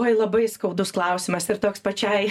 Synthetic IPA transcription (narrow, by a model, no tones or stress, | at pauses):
oɔjlˠɐbɐɪskɐʊd̪ʊsklˠɐʊsʲɪmɐsɪɾt̪oːkspɐt͡ʃʲɛɪ